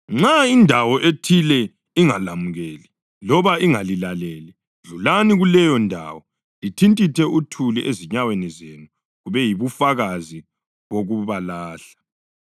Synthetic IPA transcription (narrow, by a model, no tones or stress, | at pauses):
ŋ͡ǁaindʱawɔʔetʰilɛ | iŋalamuɣɛːli | lɔβaiŋalilalɛːlɛ | ɮulaniɣulɛjɔndʱa̰wɔ | litʰintʼitʰɛʔutʰuliʔeziɲawenɛzenu | ɣuβɛjiβufaɣazi | ɣoɣuβalaːɬḁ